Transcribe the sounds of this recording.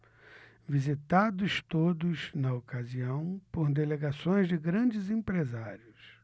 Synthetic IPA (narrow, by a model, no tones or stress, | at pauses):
vizit̪ad̪ʊst̪od̪ʊznɐokaziɐ̃w̃pʊɾd̪eleɡasõj̃zd͡ʒɪɡɾɐ̃d͡ʒɪzẽpɾezaɾiʊs